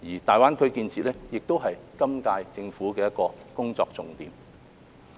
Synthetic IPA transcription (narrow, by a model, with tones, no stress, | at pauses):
jiː˨˩t̪aː˨jwaː˥nkʰɵ˨˧ɥkiː˧nt͡sʰiː˨t̚lɛː˥jɪ˨k̚t̪o˥wɦɐ˨jkɐ˥mkaː˧jt͡sɪ˧ŋfuː˨˥kɛː˧jɐ˥t̚kɔː˧kʊ˥ŋt͡sɔː˧k̚t͡sʊ˨ŋt̪ḭː˨˧m